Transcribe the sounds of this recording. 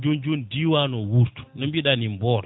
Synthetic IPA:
d͡ʒund͡ʒundiwanɔwuɾtu̥nɔmbiɗanimbɔːɾɔ

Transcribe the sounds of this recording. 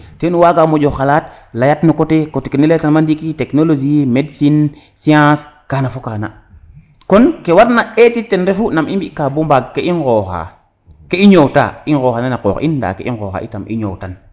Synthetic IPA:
tenuwaɡamod͡ʒoxalat̚lajatnukotekotekenilajatanmandikiteknolod͡ʒimedsin | siãskaːnafokaːna̰ | konkewaɾnaetitːenɾefunamimbikaːbombaɡkeʔinxoxa̰ | keiɲowta̰inɣoːxananako̰ːxḭnda̰kḛʔinxoːxa̰ʔḭtamʔḭɲowtan

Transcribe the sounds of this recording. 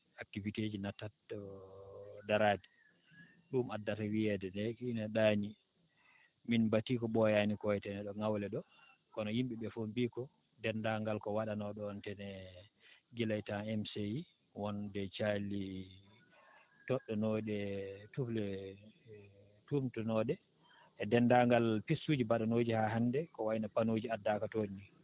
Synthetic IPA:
ak̚tivited͡ʒinatːatɔ | daɾadi | ɗumadːatawiɛdɛnɛkinaɗaɲi | minbatikɔɓɔjanikɔjɛtɛnɛɗɔŋawlɛɗɔ | kɔnɔjimɓiɓɛfombikɔ | dɛndaŋɡalkɔwaɗanɔɗɔːntɛnɛ | ɡilajtaɛmseji | wɔndɛt͡ʃali | tɔɗːɔnɔɗɛtuflɛ | tumtunɔɗɛ | ɛdɛndaŋɡalpisːud͡ʒibaɗanod͡ʒihaɦandɛkɔwajinapanod͡ʒiadːakatonːi

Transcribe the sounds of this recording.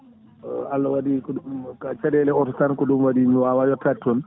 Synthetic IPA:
alːɔwadikɔumkat͡ʃadɛlɛɔtɔtankɔɗumwadimwawajɔtatːɔn

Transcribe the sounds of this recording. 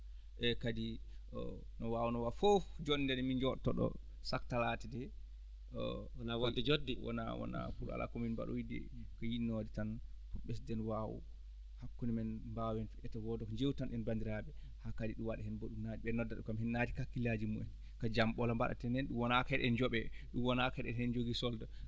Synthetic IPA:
ʔɛkadiɔ̰ | nɔwawunɔwafofd͡ʒoɗindɛnɛmind͡ʒɔtɔɗɔ̰ | saktalatɛdɛ | nawdːɛd͡ʒodːiwɔ̰na̰wɔ̰na̰puɾa̰lʔa̰kɔminba̰ɗɔ̰idɛ̰kɔjinːodɛtanpɔɓɛsdɛnwawṵ | hakːunimɛnmbawɛnfiʔɛtawɔdɔkɲd͡ʒewtanʔɛnbandiɾabɛ | hakadiɗuwaɗɛhɛnbɔɗumnad͡ʒɓɛnɔdːaɗɔkamhɛnːadikakːilad͡ʒimuɛn | kad͡ʒamɓɔlamba̰ɗa̰tɛnɛnɗumwɔnakaɛɗɛnd͡ʒɔɓɛɗumwɔnakaɛɗɛnhɛnd͡ʒoɡisɔlda

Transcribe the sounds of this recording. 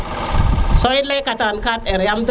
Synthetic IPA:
sojlekatankateɾjamd

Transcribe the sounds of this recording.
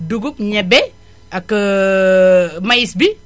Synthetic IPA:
duɡupɲɛbe | akːə | majisbi

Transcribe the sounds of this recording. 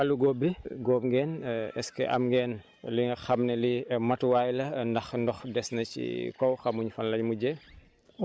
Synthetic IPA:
ɐluɡoːbːiɡoːp̚ŋɡɛːnɛskɛ̰ʔɐ̰mŋɡɛːn | liŋɡɐxɐmnɛlimɐtwaːjlɐndɐxndɔxdɛsnɐcḭkɔwxɐmuɲufɐnlɐɲmuɟɛ

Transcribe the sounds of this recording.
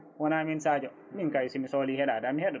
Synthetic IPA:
wɔnaːminsad͡ʒɔ | miŋkajsimisolihɛɗadamihɛɗɔ

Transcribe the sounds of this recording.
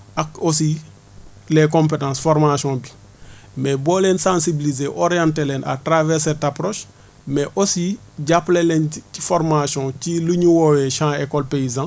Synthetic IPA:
ʔakosi | lekõmpetãːsfɔɾmasjɔ̃ːbi | mɛbɔːlensãːsibilizeʔoɾijãntelɛna̰tɾavɛːɾsɛtapɾoːʃ | mɛʔosi | ɟaplelɛnci̥fɔɾmasjɔ̃ːciluɲuwowɛʃãːekɔlpeizã

